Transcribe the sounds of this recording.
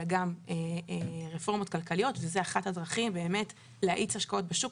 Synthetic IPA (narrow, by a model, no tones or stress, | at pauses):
ɡameeʁefo̞ʁmo̞t̚kalkalio̞tvezeaχathadʁaχimbe̞ːme̞t | leaʔit͡shaʃkao̞t̚beʃuk